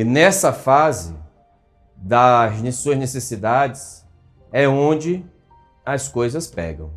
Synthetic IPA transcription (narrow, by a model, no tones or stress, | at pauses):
ɪnɛsɐfazɪ̰ | d̪ɐznsuɐznesesid̪ad͡ʒɪs | ɛõd͡ʒɪ | ɐskojzɐspɛ̰ɡɐ̃w̃